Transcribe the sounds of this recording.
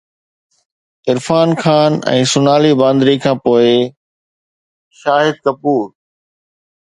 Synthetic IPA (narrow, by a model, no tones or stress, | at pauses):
ɪɾfaːnxʰaːnɛ̰̃ːsʊnaːlibãːnd̪ɾikʰãːpoːɪ | ʃaːɦɪd̪̚kɐpuːɾ